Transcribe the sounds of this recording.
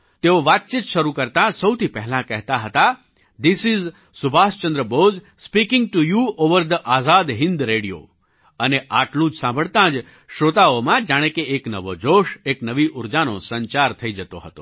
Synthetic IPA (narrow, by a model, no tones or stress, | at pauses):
t̪eoʋat̪̚t͡ʃit̪ʃəɾukəɾt̪ãsəwt̪ʰipɛɦlãkɛɦt̪aɦət̪a | d̪isiz | subʱast͡ʃə̃nd̪ɾəboz | spikɪ̃ŋɡ̚ʈujuoʋəɾd̪əʔazad̪ɦɪ̃nd̪ɾeɽijo̰ | əneʔaʈlũd͡ʒsãmbʱəɭt̪ãd͡ʒ | ʃɾot̪aomãd͡ʒaɽ̃ekeeknəʋod͡ʒoʃeknəʋiʔuɾd͡ʒanosəɲt͡ʃaɾt̪ʰəid͡ʒət̪oɦət̪o̰